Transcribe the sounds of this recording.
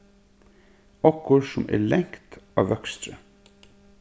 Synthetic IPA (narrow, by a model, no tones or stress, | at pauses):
ɔkʊɹsɔmʔḛːɭɛŋkt̪ɑ̰ːʋœkst̪ɾə